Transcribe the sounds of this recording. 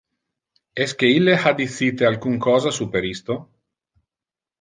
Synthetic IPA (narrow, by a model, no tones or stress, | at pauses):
ɛsk̟eilːehad̪iθiːt̪ealkuŋkʰɔːzasupeɾist̪o